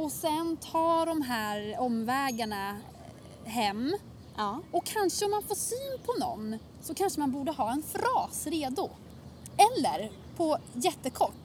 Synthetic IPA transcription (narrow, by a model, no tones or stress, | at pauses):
ɔsɛnt̪ʰɑːɖɔmɦæːɾɔmvɛːɡaɳa | ɦɛmː | ɔkʰːanʂəɔmːanfoːʂyːnpʰɔnɔ̰nː | sɔkʰanʂəmanbuːɖəɦɑːɛnfɾɑːsɾeːd̪ʊ | ɛlːə̰ɾ | pʰɔjɛt̪ːəkʰɔʈː